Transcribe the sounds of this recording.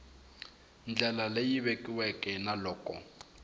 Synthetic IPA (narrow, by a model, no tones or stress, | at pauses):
n̩d͡ɮɛlalejiβekʼiwɛkʼɛnalɔːkʼɔ̰